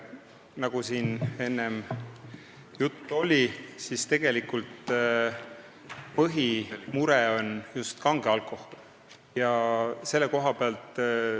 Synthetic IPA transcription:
nɑɡ̥usiːne̞nːem | jut̪ˑːo̞lʲisist̪e̞ɡ̥e̞likult̪ | pɤɦimuɾɛo̞njust̪kɑŋɡ̥eɑlkːˑo̞hol | jɑse̞lːeko̞ɦɑpeɑlt̪ˑ

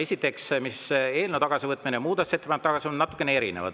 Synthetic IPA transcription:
e̞sʲit̪ːˑe̞ksmise̞ːlnet̪ɑɡ̥ɑsivɤt̪ːˑminemuːd̪ɑset̪ːe̥ɑjnt̪ːɑɡɑsionnɑt̪ːˑu̥kːˑenee̞ɾḭnḛvɑ̰d̪

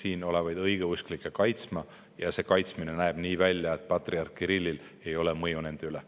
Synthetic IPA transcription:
siːno̞levɑjd̪̥ɤjɡ̥e̞usklikːˑekɑjt̪smɑ | jɑse̞ːkɑjt̪smine̞næeb̥niːvælʲjɑe̞t̪̚ːˑpɑt̪riɑrkːiɾilːil | e̞jo̞lemɤjune̞nd̪̥eyle

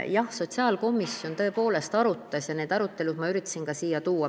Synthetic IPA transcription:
jɑhso̞t̪ʲsɑːlko̞misːjo̞nt̪ɤ̞e̞po̞ːle̞st̪ɑɾut̪ːˑɑsjɑne̞ːd̪̥ɑɾut̪ːˑe̞lud̪̥̚mɑyɾit̪ːˑɑ̥sinkɑsiːjɑt̪uːɑ

